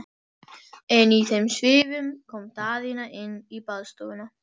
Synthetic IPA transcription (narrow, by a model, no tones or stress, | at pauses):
ɛniθɛmsʋeːvʏmkʰɔmt̪aːðɪnaʔɪnibaðst̪uːna